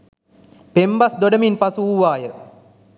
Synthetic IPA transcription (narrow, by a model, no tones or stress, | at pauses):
pembasd̪oɖəminpasuuʋaːjə